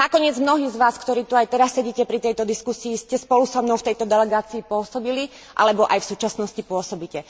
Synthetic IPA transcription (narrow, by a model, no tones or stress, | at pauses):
nakɔɲɪɛd͡zmnɔɦiːzʋaːskt̪ɔɾiːt̪uajt̪ɛɾasːɛɟiːcɛpɾit̪ɛjt̪ɔd̪iskusiːscɛspɔlusɔmnɔʊft̪ɛjt̪ɔd̪ɛlɛɡaːt͡siːpʊɔsɔbili | ʔa̰lɛbɔʔajfsuːt͡ʃasnɔscipʊɔsɔbicɛ